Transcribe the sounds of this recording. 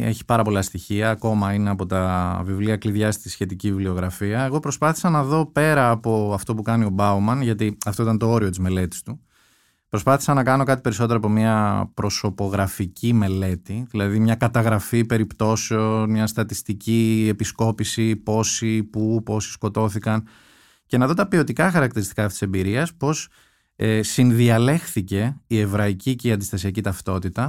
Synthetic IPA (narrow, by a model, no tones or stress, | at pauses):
eçi̥pɐɾɐpo̞lɐst̪içiɐːko̞mɐineɐpo̞t̪ɐvivliɐkliðʝɐst̪isçe̞t̪iciviblio̞ɣɾɐfiɐe̞ɣo̞pɾo̞spɐθi̥sɐnɐðo̞pe̞ɾɐːpo̞ɐft̪o̞pukɐnio̞bɐumɐnʝɐt̪iɐft̪oit̪ɐnt̪o̞o̞ɾio̞t̪izme̞le̞t̪i̥st̪u | pɾo̞spɐθi̥sɐnɐkɐno̞kɐt̪̬ipe̞ɾiso̞t̪e̞ɾoɐp̬omɐpɾo̞so̞po̞ɣɾɐficime̞le̞t̪iðilɐðimɲɐkɐt̪ɐɣɾɐfipe̞ɾipt̪o̞seo̞nmɲɐst̪ɐt̪ist̪icie̞pisko̞pisipo̞sipupo̞si̥sko̞t̪o̞θikɐn | ce̞nɐðo̞t̪ɐpio̞t̪ikɐxɐɾɐk̚t̪iɾist̪ikɐfto̥ise̞mbiɾiɐspo̞s | esinðiɐle̞xθice̞ie̞vɾɐiciceiɐnd̪ist̪ɐsiɐcit̪ɐft̪o̞t̪it̪ɐ